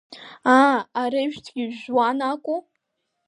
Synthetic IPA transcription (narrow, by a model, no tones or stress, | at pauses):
aaɾeʒtʰɡʲiʒwanakʷʼu